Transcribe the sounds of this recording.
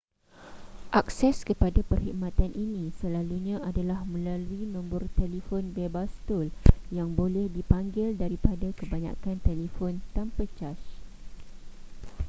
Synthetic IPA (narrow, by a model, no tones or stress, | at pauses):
ʔak̚sɛskəpadapərhikmãt̪anʔinĩsəlaluɲãʔadalahmə̃laluinũmbʊrt̪elifɔnbebast̪uljaŋbolɛhdipaŋɡɪldaɾipadakəbaɲa̰kant̪elifɔnt̪ampət͡ʃaʃ